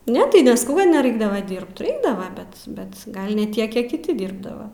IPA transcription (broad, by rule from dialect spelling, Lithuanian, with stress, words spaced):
ˈnʲɛ tɐɪ nʲɛsˈkɐʊ kɐt nʲɛrɐɪˈɡdɑːʋɐ ˈdʲiːrpt rʲɛɪɡˈdɑːʋɐ ˈbʲɛt bʲɛt ˈɡɐlˠ nʲɛ ˈtʲiɛk ˈkʲiɛk kʲɪˈtʲɪ ˈdʲiːrbdɐʋɐ